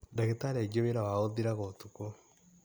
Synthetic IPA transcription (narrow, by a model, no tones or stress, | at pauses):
daɣetaɾeɡioβeɾawaoðiɾaɣotuko